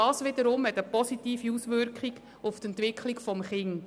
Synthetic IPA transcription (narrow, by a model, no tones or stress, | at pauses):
ɑːsʋɪd̪əɾʊmhɛt̪əpɔsit̪iːfiusʋʏɾkχiɡ | ʊft̪ɛnt̪ʋɪkʰχliɡfɔmχɪŋ